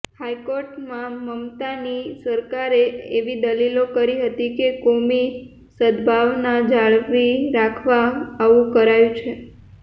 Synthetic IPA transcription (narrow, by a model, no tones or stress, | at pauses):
hajkoɾʈmãməmt̪anisəɾkaɾeeʋid̪əlilokəɾiɦət̪ikekomi | səd̪bʱaʋnad͡ʒaɭʋiɾakʰʋaːʋũkəɾajũt͡ʃʰe